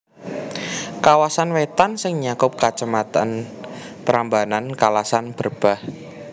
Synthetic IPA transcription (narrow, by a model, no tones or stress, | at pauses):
kawasanwet̪ansɪŋɲakʊp̚kat͡ʃəmat̪a̰npəɾambanankalasanb̥ərb̥ah